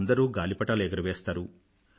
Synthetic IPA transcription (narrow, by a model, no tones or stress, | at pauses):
nd̪ɐɾuːɡaːlipɐʈaːlɛɡɐɾɐʋeːst̪aːɾu